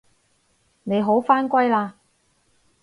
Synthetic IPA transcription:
ne˨˧jɦo˨˥wfaː˥nkʷɐ˥jlaː˧

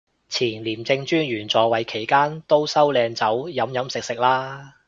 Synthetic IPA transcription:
t͡sʰiː˨˩nliː˨˩mt͡sɪ˧ŋt͡ʃyː˥njyː˨˩nt͡sɔː˨˧wɐ˨jkʰe˨˩jkaː˥nt̪o˥wsɐ˥wlɛː˧ŋt͡sɐ˨˥wjɐ˨˥mjɐ˨˥msɪ˨k̚sɪ˨k̚laː˥

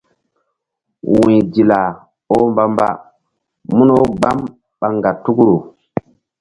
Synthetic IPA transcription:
wĩ˨d͡ʒi˨la˨ | o˦mba˦mba̰˦ | mu˦no˦ɡ͡ba˦m | ɓa˨ŋɡa˨tu˦kɾo˨

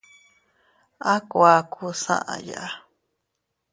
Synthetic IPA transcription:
a˦ko˨a˧kʰu˧sã̰˦ʔã̰˨ja̰˨ʔa˦

